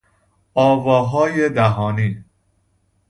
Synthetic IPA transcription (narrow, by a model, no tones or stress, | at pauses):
ɒːvɒːɦɒːjed̪æɦɒːniː